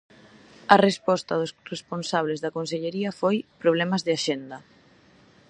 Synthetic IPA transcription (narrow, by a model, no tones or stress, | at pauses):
ɐrespɔst̪ɐðʊsresponsaβ̞lezðɐkons̬eʎeɾiɐfojpɾoβ̞lɛmɐzðeaʃend̪ɐ